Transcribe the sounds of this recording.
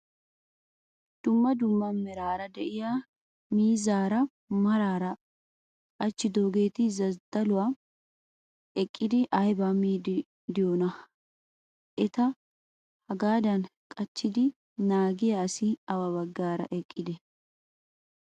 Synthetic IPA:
d̪̥ʊmːɐd̪ʊmːɐːɛɾaːɾɐd̪ɛʔɪjaː | miːzaːɾɐ | mɐɾaːɾɐ | kʼɐt͡ʃːɪd̪oːɡe̞ːt̪ɪzɐzd̪̥ɐlʊwa | ɛkʼːɪd̪ɪʔɐjbamiːd | d̪ɪjoːnɐ | ʔɛt̪ɐ | hɐɡaːd̪ɐnkʼɐt͡ʃːɪd̪ɪ | naːɡɪjɐːsɪɐwɐβɐɡːaːɾɐ̰ʔɛkʼːɪd̪ɛ

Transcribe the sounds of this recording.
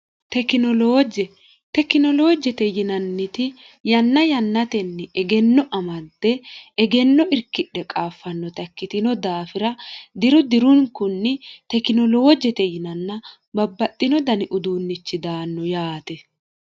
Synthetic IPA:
t̪ɛkɪnɔloːd͡ʒɛ | t̪ɛkːɪnɔlo̞ːd͡ʒɛt̪ɛjɪnɐnːɪt̪ɪ | jɐnːɐjɐnːɐt̪ɛnːɛʔɛɡɛnːɔʔɐmɐd̪ːɛːɡɛnːɔʔɪɾkːɪɗːɛkʼaːfːɐnːɔt̪ɐkːɪt̪ɪnɔd̪aːfɪɾɐd̪ɪɾʊd̪ɪɾʊŋkʊnːɪt̪ɛkɪnɔlo̞ːd͡ʒɛt̪ɛjɪnɐnːɐ | bɐbːɐt̪ʼːɪnɔd̪ɐnɪʔʊd̪uːnːɪt͡ʃːɪd̪aːnːɔjaːt̪ɛ

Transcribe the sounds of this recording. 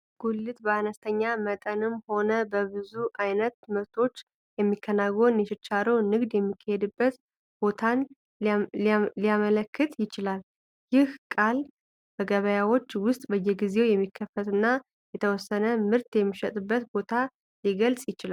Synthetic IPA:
ɡ̥ulːɨt̪bəanəst̪ʰəɲːamət̪ʼənɨmho̞nəbəβɨzuʔajnət̪mɨɾt̪ʰo̞t͡ʃː | jɛmːikʰːənaɡonjɛʃɪt͡ʃːaɾownɨɡd̪jɛmːikʰːəhed̪ɨbːət̪ | b̥o̞t̪ʰan | iliamələkːɨt̪ʰjɪt͡ʃɪlal | jɪhkʼal | b̥əɡəβəjawo̞t͡ʃːwʊst̪ʼbəjːɛɡize̞wjɛmːikʰːəfət̪ɨnːa | jɛt̪ʰəwɔsːənəmɨɾt̪jɛmːiʃət̪ʼɨbːət̪bo̞t̪ʰa | liɡəlsʼjɪt͡ʃɪlal

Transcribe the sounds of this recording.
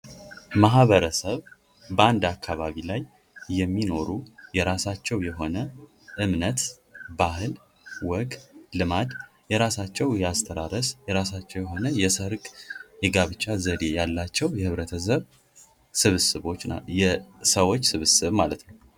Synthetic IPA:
maɦβəɾəsəβ | bəand̪akʰːaβaβilajː | ɛmːino̞ɾujɛɾasat͡ʃːɛwjɛɦo̞nə | ʔɨmnət̪ | bahɨl | wɔɡlɨmad̪ | jɛɾasat͡ʃːɛwjɛast̪ʰəɾaɾəsjɛɾasat͡ʃːɛwjɛɦonəjɛsəɾkʼjɛɡaβɨt͡ʃːazəd̪e̞jalːat͡ʃːɛwjɛhɨβɾət̪ʰəsəβ | sɨβsɨβo̞t͡ʃːjɛsəwot͡ʃːsɨβɨsɨβmalət̪nəw

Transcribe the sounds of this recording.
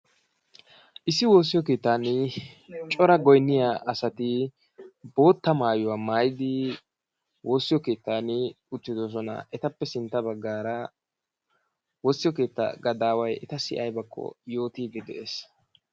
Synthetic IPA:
ʔɪsːɪwo̞ːs̬ːɪjɔke̞ːt̪ːaːnɪ | t͡ʃʼɔɾɐɡɔjnːɪjaːʔɐsɐt̪ɪ | bo̞ːt̪ːɐmaːjʊwaːmaːjɪd̪ɪ | wo̞ːsːɪjɔke̞ːt̪ːanɪ | ʊt̪ːɪd̪ɔs̬ɔnɐ̰ʔɛt̪ɐpːɛsɪnt̪ːɐbɐɡːaːɾɐ | woːsːɪjɔke̞ːt̪ːa̰ɡɐd̪aːwɐjɛt̪ɐsɪʔɐjbɐkʰːɔ̰jo̞ːt̪ib̪ɪd̪ɛ̰ʔeːs

